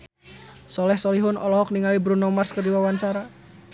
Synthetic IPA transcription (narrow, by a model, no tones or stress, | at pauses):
sɔlɛhsɔliɦʊnɔlɔɦɔk̚niŋalibɾunɔmarskərdiwawant͡ʃaɾa